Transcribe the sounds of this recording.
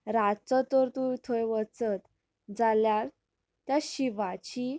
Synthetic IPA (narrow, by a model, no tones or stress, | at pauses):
ɾat͡sɔt̪ɔɾt̪ujt̪ʰojʋət͡sət̪ | d͡zaljaɾ | t̪jaɕiʋat͡ɕi